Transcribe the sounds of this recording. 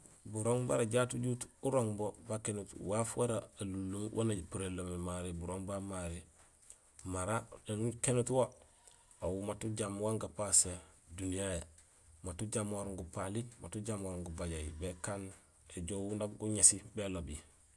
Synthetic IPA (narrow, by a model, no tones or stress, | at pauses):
buɾoŋbaɾaɟaːtuɟutuɾoŋbobakenutwafwaɾaːlulːowʔa̰napuɾelːomemaɾibuɾoŋbamaɾe | maɾaenkenutwo | awumatuɟamwaŋɡapasedunijaja | matuɟamoɾoŋɡupalimatuɟamwoɾoŋɡubaɟajibekaːn | eɟowundaɡuɲesibelobi